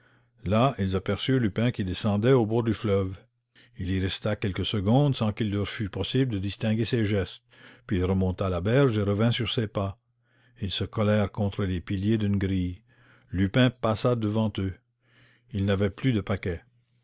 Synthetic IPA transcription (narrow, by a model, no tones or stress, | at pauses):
lailzapɛʁsyʁlypɛ̃kid̪esɑ̃d̪ɛobɔːʁd̪yflœv | iliʁɛst̪akʲɛlkəsəɡɔ̃d̪sɑ̃kilːœʁfypɔsibld̪əd̪ist̪ɛ̃ɡeseʒɛst̪pɥiːlʁəmɔ̃t̪alabɛʁʒeʁəvɛ̃syʁsepa | ilsəkɔlɛːʁkɔ̃t̪ɾəlepiljed̪ynɡʁij | lypɛ̃pasad̪əvɑ̃t̪ø | ilnavɛplyd̪əpakʲɛ